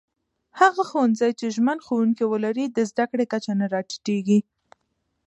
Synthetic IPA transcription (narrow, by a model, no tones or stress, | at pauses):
haɣaxowanzajt͡ʃeʒmənxowuŋkiwəlaɾid̪əzd̪akɽekat͡ʃanaɾɑʈi̥ʈeɡi